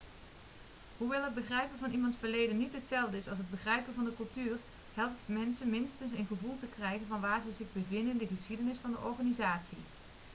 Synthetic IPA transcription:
ɦuʋɛlˠɦəd̚bəχrɛjpənvɑnimɑntfəɹlejdənːitɦətsɛlˠvdəɪsɑlˠs̬ɦəd̚bəχrɛjpəvɑndəkɵlˠtyːr | ɦɛlˠp̚tmɛnsənmɪnstənsənχəvulˠtəkrɛjχənvɑnʋaːɹzəzɪɣbəvɪndənɪndəχəsχidənɪsfɑndəʔɔɹχaːnizaːtsi

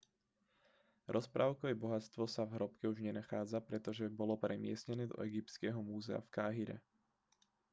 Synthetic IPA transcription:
ɾʔɔspɾʔaːʊkɔɛbɔɦat̪t͡st̪ʋɔsavɦɾɔpkɛuʒɲɛnaxaːd͡zapɾɛt̪ɔʒɛbɔlɔpɾɛmɪɛsɲɛnɛːd̪ɔ̰ɛɡip̚t̪skɛɦɔmuːzɛa̰fkaːɦiɾɛ̰

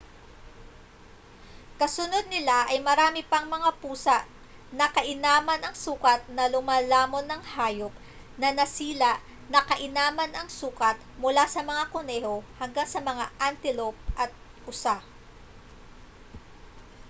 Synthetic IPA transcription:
kɐsʊno̞d̪̚nɪlaʔɐjmɐɾaːmɪpɐŋmɐŋapuːsɐʔ | nɐkɐʔɪnaːmɐnɐŋsuːkɐt̪̚nɐlʊmaːlaːmo̞nɐŋhaːjo̞p̚ | nɐnɐsiːlaʔ | nɐkɐʔɪnaːmɐnʔɐŋsuːkɐt̪̚mʊlasɐmɐŋakʊnɛːho̞hɐŋɡaŋsɐmɐŋaʔant̪ɪlop̚ʔɐt̪̚ | ʔʊsa

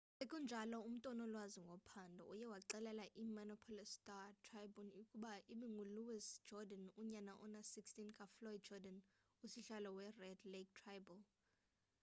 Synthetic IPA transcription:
ɓekʼund͡ʒʱalɔum̩tʼɔnɔlwaziŋɡʱopʰandʱɔ̰ʔujɛwaǃɛlɛlaʔimanɔpʰɔlistʼatʰrajbɔnikʼuɓaʔiɓɛŋuluwisd͡ʒɔdanuɲanaʔɔ̰nasikstinkʼaflɔjd̚d͡ʒɔdan | usiɬalɔwɛrɛdlek̚tʰrajbɔl

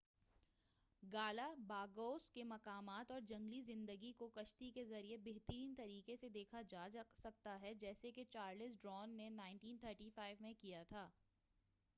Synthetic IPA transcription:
ɡaːlabaːɡoːskemɐkaːmaːt̪ɔːɾd͡ʒɐ̃ŋɡlizɪ̃nd̪əɡikokɐʃt̪ikezɐɾiebeɦt̪əɾiːnt̪ɐɾiːkesed̪eːkʰad͡ʒaːsɐk̚t̪aɦɛd͡ʒɛːseket͡ʃaːɾlɪsɖɾɔːnːenaːɪ̃ɳʈiːnt̪ʰəːɾʈiːfaːɪʋmẽkijat̪ʰaː

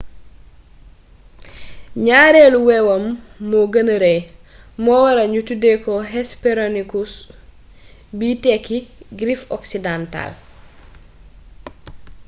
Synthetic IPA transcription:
ɲaːɾeluwɛwɐmːoɡɐnɾe | mɔwɐɾɐɲutudekɔɦɛspeɾonikus | bitɛkːiɡɾifɔksidanta̰l

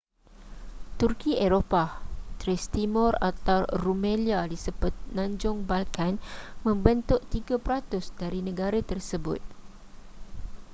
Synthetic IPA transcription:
t̪urkiʔeɾopat̪ɾɛst̪imɔ̃ra̰t̪awrumẽliadisəbʊt̪̚nãɲd͡ʒʊŋbalkanmə̃mbənt̪ʊʔt̪iɡapɾat̪ʊsdaɾinə̃ɡaɾat̪ərsəbʊ̰t̪̚

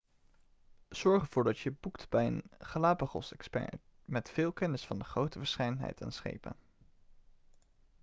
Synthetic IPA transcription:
z̥ɔɹχənv̥ʊːɹdɑtjəbuktbɛjənχəlaːpəχɔ̰sɛkspɛ̰ɹmɛtfɪːlˠkɛnəsfɑndəχrowtəvəɹsχɛjdənɦɛ̰jtʰa̰nsχḛjpə̰n

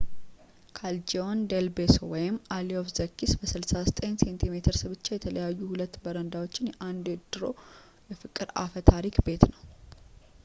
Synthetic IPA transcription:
kʰald͡ʒeond̪elbesowɔjɪmːaliofzəkːisbəsɨlsasət̪ʼensent̪ʰime̞t̪ʰɨɾsɨβɨt͡ʃːajɛt̪ʰələjajːuhulət̪ːbəɾənd̪awot͡ʃːɪnjɛʔand̪ed̪̥ɨɾo̞̰ | jɛfɨkʼːɨɾa̰fət̪ʰaɾikbe̞t̪nəw

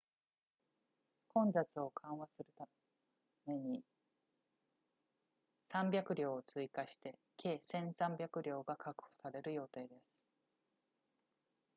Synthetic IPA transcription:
kõ̞nd͡zat͡sɨo̞kʰãɰ̃βasɨɾɯ̟t̪a | me̞ɲ̟i | sãmbʲjakɯ̟ɾʲo̞ːt͡sɨikaɕi̥t̪e̞kʰe̞ːsẽ̞ɰ̃sãmbʲjakɯ̟ɾʲo̞ːɡakʰakɯ̟̥ho̥saɾe̞ɾɯ̟jo̞ːt̪e̞ːd̪e̞sɨ̥

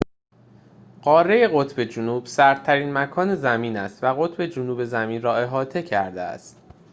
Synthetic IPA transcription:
ɢ̥ɒːreje̞ɣo̞t̪ʰbe̞d͡ʒunuːb̥sæɾt̪̚ʰːæɾiːnmækʰɒːne̞zæmiːnæst̪væɣo̞t̪ʰbe̞d͡ʒunuːbe̞zæmiːnrɒːe̞ɦɒːt̪ʰe̞cʰæɾd̪ḛæ̰st̪

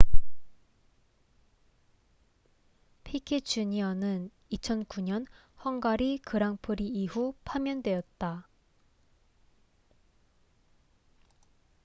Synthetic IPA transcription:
pʰikʰit͡ɕuɲiʌnɯn | it͡ɕʰʌnkuɲʌnhʌŋɡaɾikɯɾaŋpʰɯɾiihupʰamjʌndwe̞jʌt̚t͈a

